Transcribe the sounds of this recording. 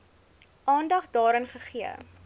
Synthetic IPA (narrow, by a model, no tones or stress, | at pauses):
ʔɑːndɐχdɑːɾənχəχiə̰